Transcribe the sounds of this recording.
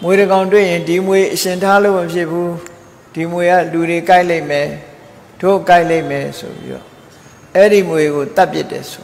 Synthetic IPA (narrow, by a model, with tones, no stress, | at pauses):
mwe˨ɾəɡã˨ʊ̃nt̬wɪ̰̃˦˨jɪ̃˨ndi˨mwe˨ʔəʃɪ̃˨ntʰa˦lo˦˨məpʰjɪ˦ʔpʰu˦ | d̥i˨mwe˨ɡa̰˦˨lu˨ɾe˨ka˦ɪʔle˦ɪmɛ˨ | d̥o˦˨ka˦ɪʔle˦ɪmɛ˨sʰo̰˨bḭ˦ɾɔ̰˦˨ | ʔɛ˦ɾi˦˨mwe˨ɡo˨t̪a˦pjɪ̰˦tːɛ̰˨so˨